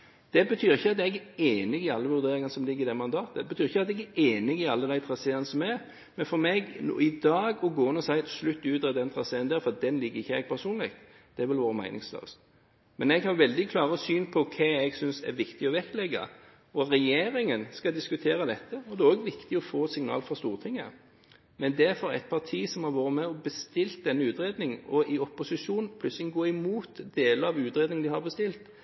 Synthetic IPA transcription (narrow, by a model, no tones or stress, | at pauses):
d̪̥ɛbət̪ʰyːɾɪçːəɑt̪ɛɡæeːnɪɡɪɑlːəʋʉɾd̪eːɾɪŋɑnəsɔmlɪɡːəɾɪd̪ɛmɑnd̪ɑːt̪əd̪ɛbət̪ʰyːɾɪçːəɑt̪ɛɡæʔeːnɪɡɪɑlːəd̪æɪt̪ʰɾɑseːənəsɔmɛɾ | mɛnfɔɾmɛɡn̰ːɪd̪ɑːɡɔɡoːɪnːɔsæɪt̪slʉt̪ːʉːd̪əɾɛd̪ɛnt̪ʰɾɑseːənd̪æːɾfɔɾɑt̪̚d̪ɛnlɪɡːəɾɪçːəɛɡ̚pʰæɾsuːnlɪk̚t̪ | d̪̥ɛæɾʋɪlʋoːɾəmæ̰ɪnɪ̰ŋslø̰ːs | mɛnɛɡhɑɾʋɛld̪ɪkʰlɑːɾəɔsyːnpʰɔkʰæɛɡsʏnsɛ̰ɾʋɪkt̪ɪɔʋɛklɛɡːɑ̰ | ɔɾɛjeːɾɪŋənskɑd̪ɪskʉt̪ʰeːɾəd̪ɛt̪ʰːəɔd̪ɛoːɡʋɪkt̪ɪɔfoːsɪŋnɑ̰ːlfɾɑst̪uːʁt̪ʰɪŋːə | mɛnd̪ɛɾfɔɾæ̰t̪̚pʰɑʁt̪ʰiːsɔmhɑɾʋoːɾəmɛɔbəst̪ɪlt̪̚d̪ɛnːəʉːt̪ɾeːd̪nɪŋɔɪɔpːʊsɪʂuːnnpʰlʉt̪slɪɡoːɪmuːt̪d̪eːləɑʋʉːt̪ɾeːd̪nɪŋd̪ɪhɑɾbəst̪ɪlt̪